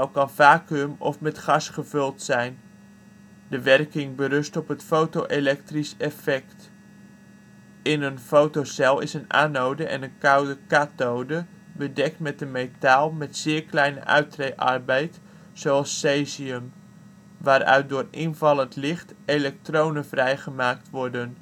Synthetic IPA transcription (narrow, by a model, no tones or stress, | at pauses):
owkɑnvaːkəmɔ̰fmɛtχɑsχəvɵlˠtsɛjn | dəʋɛrkɪŋbəɾɵstɔpɦətfowtowʔelɛk̚trisɛfɛkt | ɪnənfowtosɛlˠɪsəna̰ːnowdəʔɛ̰nənkawdəkatowdə | bədɛk̚tmɛt̚dəmejtaːlˠmɛtsɪːrklɛjnə̰ʔœ̰ɥtrejʔɑ̰rbɛjt | soɑlˠsːeːziəm | ʋaːɾœ̰ɥt̚dʊːrɪnvɑlˠəntlɪχtelɛk̚trownənvrɛjχəmaːktʋɔɹdən